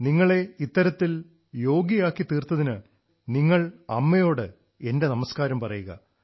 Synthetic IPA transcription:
niŋːɐɭe̞it̪ːɐɾɐt̪ːil | jo̞ːɡijaːkːit̪iːrt̪ːɐðinɨ | niŋːɐɭɐmːɐjo̞ːɽɨ | e̞nde̞nɐmɐskaːɾɐmpɐrɐjuɣɐ̰

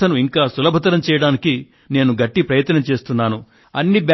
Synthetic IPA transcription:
ɐnuiŋkaːsulɐbʱɐt̪ɐɾɐmt͡ʃɛːjɐɽaːniki | ne̞ːnuɡɐʈːipɾɐjɐt̪ːɐnɐmt͡ʃe̞ːst̪unːaːnu | ɐnːib

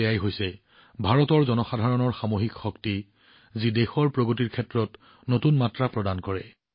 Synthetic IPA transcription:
ɛjajɦojsɛ | bʱaɹɔtɔɹzɔnɔxadʱaɹɔnɔɹxamoɦikxɔkti | zidexɔɹpɹoɡotiɹkʰɛtɹɔt | notunmatɹapɹɔdankɔɹɛ̰

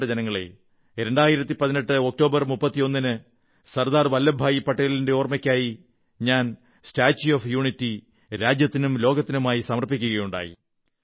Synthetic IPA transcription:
ɽɐd͡ʑenɐŋːɐɭḛ | ɾe̞ɳɖaːjiɾɐt̪ːipɐðine̞ʈːɨo̞k̚to̞ːbɐrmupːɐt̪ːijo̞nːinɨ | sɐrd̪aːrʋɐlːɐbʱaːjipɐʈːɐjɐlinde̞oːrmɐkʲːaːji | ɲaːn | staːt͡ɕːuoːfjuːɳitːi | ɾaːd͡ʑjɐt̪ːinumlo̞ːɡɐt̪ːinumaːjisɐmɐrpikʲːuɣɐjuɳɖa̰ːjḭ

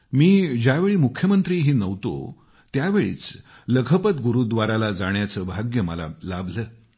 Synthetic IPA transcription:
miːd͡ʑjaʋeɭiːmukʰːjəmənt̪ɾiːɦiːnəʋt̪o̰ | t̪jaʋeɭḭːt͡s | ləkʰəpət̪ɡuɾud̪ʋaɾalad͡zaɳjat͡səːbʱaɡjəməla̰labʱləː

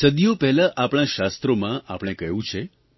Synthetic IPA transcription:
səd̪ijopɛɦlaʔapɽ̃aʃast̪ɾomãʔapɽ̃ekəjũt͡ʃʰe

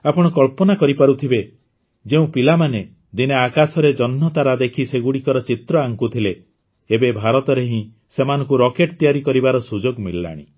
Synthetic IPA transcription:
apɔɽ̃ɔkɔɭpɔnakɔɾipaɾut̪ʰibe | d͡ʒeũpilamane | d̪ineakasɔɾed͡ʒɔnːɔt̪aɾad̪ekʰiseɡuɽikɔɾɔt͡ʃit̪ɾɔaŋkut̪ʰileː | bebʱaɾɔt̪ɔɾeɦĩ | semanɔ̃ŋkuɾɔkeʈ̚t̪ijaɾikɔɾibaɾɔsud͡ʒoɡmilːa̰ɽ̃ḭ

